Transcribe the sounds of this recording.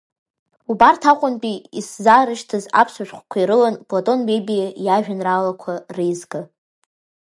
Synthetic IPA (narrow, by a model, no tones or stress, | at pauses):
ubartʰaqʷʼʊnpʼiiszaɾɨʃtʰɨza̰pʰsaʃᶣχʷkʷʰaiɾɨlanpʼlotʼo̞nbebijajaʒᶣanralakʷʰarejzɡɨ